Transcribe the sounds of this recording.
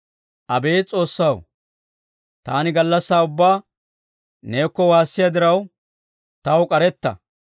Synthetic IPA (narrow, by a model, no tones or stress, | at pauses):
ʔɐbe̞ːt͡sʼo̞ːsːɐw | t̪aːnɪɡɐlːɐsːaːʊbːaː | ne̞ːkːɔwaːsːɪjad̪ɪɾɐw | t̪ɐwkʼɐɾɛt̪ːɐ̰